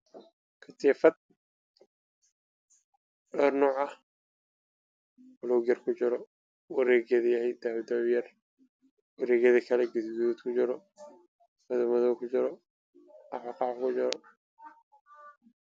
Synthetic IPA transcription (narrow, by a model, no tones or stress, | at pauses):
kʰɐt̪ʰiːfɐd̪̚ | ɔːrnɔːʕɐh | ʊlɔwɣjɐrkʰʊt͡ʃɪɾɔ | wɐɾɛːɣjɐðɐjɐhɛjd̪aːwd̪ɐβjɐr | wɐɾɛːɣɐðɐkʰɐlɛɡɪd̪ɡuðuːd̪kʰʊt͡ʃɪɾɔ | mɐðɐmɐðɔwkʰʊt͡ʃɪɾɔ | ɑħɑqɑːʕkʊt͡ʃɪɾɔ